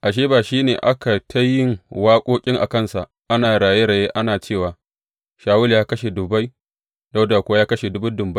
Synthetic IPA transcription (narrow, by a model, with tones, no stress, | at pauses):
ʔa˨ʃeː˦baː˨ʃiː˦neː˨ʔa˦ka˨tʰa˦jɪ˦˨ŋwaː˦kʷʼoː˦kʲʼɪ˦ŋʔa̰˨kɐ˦nsa˨ | ʔa˦naː˨ɽaː˨je˦ɽɐ˨je˦ʔa˦naː˨t͡ʃeː˦˨waː˨ | ʃaː˨wʊ˦ljaː˦kɐ˦ʃe˨dʊ˨ba˦j | da˦wda˨kʷʊ˦jaː˦kɐ˦ʃe˨dʊ˦bʊ˦dʊ˨mba˦